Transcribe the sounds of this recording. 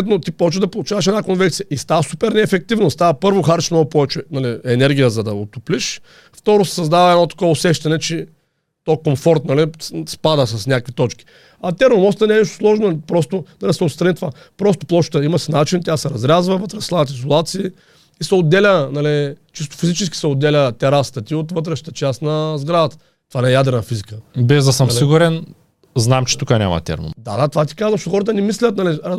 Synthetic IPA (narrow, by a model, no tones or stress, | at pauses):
ɛt̪not̪ipɔt͡ʃed̪ɐpolˠut͡ʃavɐʃ̬ɛdnakonvɛt̪sijəʔist̪avəsupɛɾnɛːfɛk̚t̪ivnost̪avɐpɤɾvoxaɾiʃmnɔɡʊpɔvɛt͡ʃɛnɐliɛnɛɾɡʲijəzɐd̪ɐot̪upliʃ | ft̪ɔɾʊsɛ̥sɐzd̪avɐɛd̪nɔt̪ɐ̥kɔvɛʊsɛʃt̪ɐnɛt͡ʃɛ | t̪ɔkomfɔɾt̪nɐlispad̪əs̬ɐsnʲakvit̪ɔt͡ʃkʲi̥ | ɐt̪ɛɾnomɔst̪ɛnɛniʃt̪ʊ̥slˠɔʒnolpɾɔst̪ʊnɐlisɛʊt̪st̪ɾɐnit̪ova | pɾɔst̪ʊ̥plˠɔʃt̪əimɐsinat͡ʃint̪ʲasɛɾɐzɾʲazvəvət̪ɾɛslˠaɐt̪̬izolˠat̪siː | isɛod̪ːɛlʲənalit͡ʃist̪o̥fizit͡ʃɛskʲi̥sɛod̪ːɛlʲət̪ɛɾast̪ət̪iot̪vɤt̪ɾɛʃə̥t̪ət͡ʃast̪nɐzɡɾad̪ət̪ə̥ | t̪ovanɛɛjad̪ɾɛnəfizikəbɛzd̪ɐsəmsliɡuɾɛn | znamt͡ʃɛ̥t̪ukənʲa̰mɐ̰t̪ʲɛ̰ɾmo̰md̪a̰d̪at̪ovat̪̬i̥kazvəʃoxɔɾət̪̬ənɛmislʲət̪naliɐ